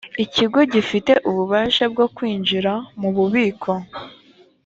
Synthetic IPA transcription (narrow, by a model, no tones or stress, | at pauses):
iciɡo̞ɟifite̞ʔuβuβaːʃab̚ɡokwiːɲd͡ʒiɾamuβuβiːkʰo̞